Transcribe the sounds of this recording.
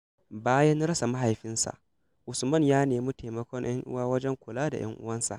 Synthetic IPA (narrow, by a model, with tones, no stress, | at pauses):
baː˦jɐ˦n˦ɾɐ˦sa˨ma˦ɦa˨jɸɪ˦nsa̰˨ʔ | ʔʊ˨smɐ˦ɲjaː˦neː˨mu˦te˨mɐ˦kʷɔ˦ɲj̰ʔɐ˦ŋʔʊ̰˦waː˦wɐ˦d͡ʒɛ˦ŋkʷʊ˨laː˦da˨j̰ɐ̰˦ŋʔʊ˦wɐ˦nsa̰˨ʔ